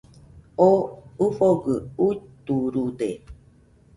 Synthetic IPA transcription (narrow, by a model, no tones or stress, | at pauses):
oufoɡɨut̪uɾude